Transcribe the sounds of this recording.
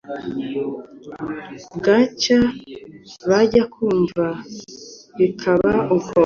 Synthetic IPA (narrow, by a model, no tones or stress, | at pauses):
ɡat͡ʃa | βaɟakʰuːɱva | βikʰaβauko